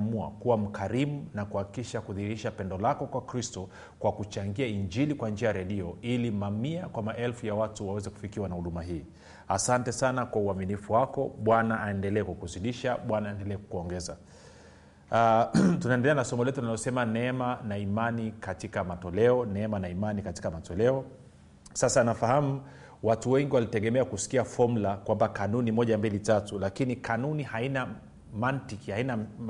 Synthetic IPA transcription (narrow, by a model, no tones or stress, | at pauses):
mua̰kuwam̩kʰaɾimunakuhakikiʃakuðihiɾiʃapɛndɔlakɔkwakɾistɔ | kwakut͡ʃaŋɡiaiɲd͡ʒilikwand͡ʒiajaɾɛɗiɔilimamiakwamaʔɛlfujawatuwawɛzɛku̥fikiwanahuɗumaɦiː | asantɛsanakwauaminifuwakɔɓwanaːɛndɛlɛɛkukuziɗiʃaɓwanaːɛndɛlɛɛku̥kuɔŋɡɛza | atunaɛndɛlɛanasɔmɔlɛtuinalɔsɛmanɛɛmanaimanikatikamatɔlɛɔnɛɛmanaimanikati̥kamatɔlɛɔ | sasanafahamu | watuwɛŋɡiwalitɛɠɛmɛakusi̥kiafɔm̩lakwambakanunimɔʄambilitatulakinikanunihaina | mantikihaina